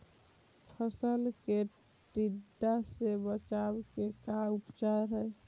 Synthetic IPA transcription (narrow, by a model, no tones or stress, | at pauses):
pʰəsəlke | ʈiɖːasebət͡ʃabkekaupt͡ʃaɾɦəe